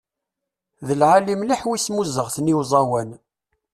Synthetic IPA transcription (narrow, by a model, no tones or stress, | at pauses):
ðəlʕalimliħwismuzəʁθəniwzˤɑwæn